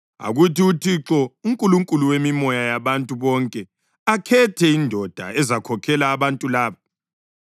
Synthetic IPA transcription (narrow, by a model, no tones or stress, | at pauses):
a̰ɣutiutʰiǁɔuŋkʼuluŋkʼuluwemimɔjajaβantʼuβɔŋkʼɛ | akʰɛtʰɛindʱɔd̥ʱa̰ɛzakʰɔkʰɛlaːβantʼulaːβa